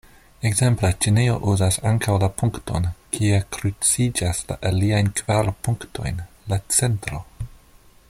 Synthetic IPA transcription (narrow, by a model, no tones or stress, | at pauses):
ekze̞mplet͡ʃineo̞̰ʔuzasaŋkawlapʰuŋkto̞̰nkʰiekɾut͡sid͡ʒasla̰ʔaliajnkvaɾpuŋkto̞̰jn | lat͡se̞ntɾo̞